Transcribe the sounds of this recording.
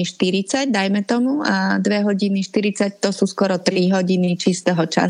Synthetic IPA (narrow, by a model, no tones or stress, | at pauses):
iʃt̪iɾit͡saɟd̪ajmɛt̪ɔmuad̪ʋɛɦɔɟiniʃt̪iɾit͡sact̪ɔsuːskɔɾɔt̪ɾiɦɔɟinit͡ʃist̪ɛɦɔt͡ʃa̰